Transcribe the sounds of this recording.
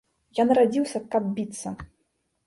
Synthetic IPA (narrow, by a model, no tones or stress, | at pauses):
jɔnrad͡zʲiwsʲɐkɐb̚bʲit̪sːɐ